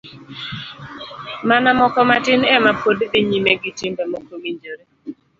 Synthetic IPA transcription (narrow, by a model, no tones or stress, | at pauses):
manamɔkɔmatɪnɛmapoddɪɲimeɡitimbemokowiɲd͡ʒoɾe